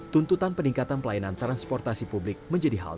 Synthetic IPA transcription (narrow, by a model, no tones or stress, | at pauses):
t̪unt̪ut̪anpəniŋkat̪anpəlajanant̪ɾanspɔrt̪asipublɪk̚məɲd͡ʒadiɦa̰l